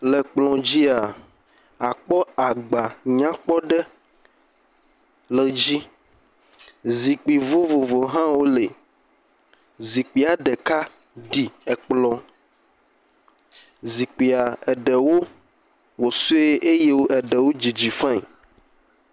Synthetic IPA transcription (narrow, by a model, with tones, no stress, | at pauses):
lɛ˨k͡plɔ̃˨d͡ʑi˦a˨ | a˨k͡pɔ˦a˨ɡ͡ba˨ɲã˦k͡pɔ˦ɖɛ˦ | le˨d͡ʑi˦ | zi˨k͡pi˨vo˦vo˨vo˨ɦã˦wo˦le˨ | zi˨k͡pi˨a˨ɖɛ˨ka˦ | ɖi˨ɛ˨k͡plɔ̃˨ | zi˨k͡pi˨a˨ɛ˨ɖɛ˨wo˦ | wo˨su˦e˦ʔe˦je˦wo˦ʔɛ˨ɖɛ˨wo˦d͡ʑi˨d͡ʑi˨fɛ̃˦˨